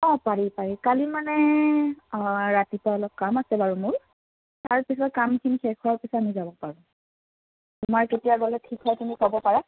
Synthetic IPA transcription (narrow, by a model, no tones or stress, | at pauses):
ɔpaɹipaɹikalimanɛ | ɹatipaɔlɔp̚kamasɛbaɹumʊɹ | taɹpisɔtkamkʰinikʰɛkʰɔɔpisɔamizabɔpaɹũ | tʊmaɹketijaɡɔlɛtʰikɦɔjtumikɔbɔpaɹa